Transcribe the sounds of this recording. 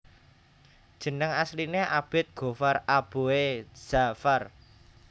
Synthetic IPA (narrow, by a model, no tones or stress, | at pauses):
d̥ʒ̥ə̤nəŋaslineʔab̥ɪ̤t̪̚ɡ̥o̤farab̥o̤ez̥afar